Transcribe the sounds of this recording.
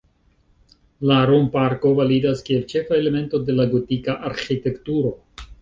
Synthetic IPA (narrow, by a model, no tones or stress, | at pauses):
laɾompaɾko̞validaskie̞lt͡ʃe̞faele̞me̞nto̞de̞laɡotikaʔaɾxite̞ktuɾo̞